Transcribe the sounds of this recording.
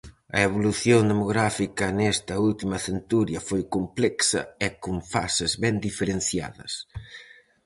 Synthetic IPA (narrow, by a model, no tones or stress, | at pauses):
ɐ̰eβ̞oluθjond̪emoɣɾafikɐnɛst̪ɐult̪imɐθent̪uɾjɐfojkomplɛksɐ̰ɛkoɱfa̰sɪzβɛnd̪ifeɾenθja̰ðɐ̰s